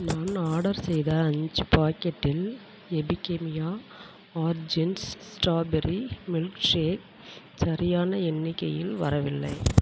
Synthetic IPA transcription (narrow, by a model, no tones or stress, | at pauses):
naːnaːɽɐɾsɛjðɐːɲd͡ʒɯpaːkɛʈːɪl | ɛbɪkːemɪjaː | aːɾd͡ʒɪnssʈaːbɛɾimɪlkʂeːt̚ | sɐɾɪjaːnɐɛnːɪkːɐ̰jɪ̰lʋɐ̰ɾɐʋɪlːɐ̰ɪ